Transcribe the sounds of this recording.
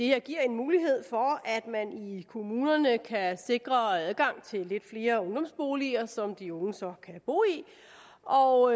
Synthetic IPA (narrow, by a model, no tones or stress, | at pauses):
d̥e̝heɐ̰ɡ̥iɐ̰e̝nmuːliɦe̝ð̞̰ˠfɒ̽æd̥mænikʰo̝muːnɐnəkʰæse̝ɡ̥ʁɐæðˠɡ̥ɑ̈ŋ̰t͡sʰe̝lːe̝d̥fle̝ːɐɔ̽ŋd̥ɒ̽msb̥o̝ːliɐsɒ̽md̥iɔ̽ŋəsɒ̽kʰæb̥o̝̰ːi | ʔɒ